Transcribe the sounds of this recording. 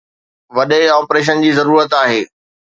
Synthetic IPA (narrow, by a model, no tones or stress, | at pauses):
ʋɐɗeɔːpɾeːʃ̬ənd͡ʑiːzɐɾuːɾət̪aːɦeː